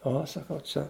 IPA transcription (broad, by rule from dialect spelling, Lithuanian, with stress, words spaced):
ˈoː sɐˈkɐʊ ˈt͡ʃʲɛ